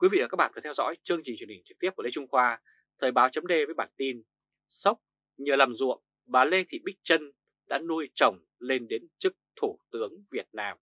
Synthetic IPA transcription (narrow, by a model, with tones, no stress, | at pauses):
kwi˨˦vḭ˧˨vaː˨˩aː˦˥ɓa̰ː˧˨˩t̪ʰɛ˧wzɔ̰˧˥jt͡ɕɨ˧əŋt͡ɕi˨˩t͡ɕwə˩˨hï˨˩ŋ̟t͡ɕɨ˨˩k̚t̪i˦˥əp̚kːe˨˧˦t͡ɕʊ˧ŋ͡mxwaː˧ | t̪ʰəː˨˩jɓaː˨˦wt͡ɕə˨˦mŋ͡mɗe˧vəː˨˦jɓaː˧˩nt̪i˧n | sə˦˥k͡p̚ | ɲəː˨˩laː˨˩mzṵ˧˨əm | ɓaː˨˩le˧t̪ʰḭ˧˨ɓï˦˥k̚t͡ɕə˧n | ɗa̰ː˧˥nu˧əjt͡ɕə˨˩wŋ͡m | le˧nɗe˨˦nt͡ɕɨ˦˥k̚t̪ʰu˧˩t̪ɨ˨˦əŋvi˨˩ət̚naː˧m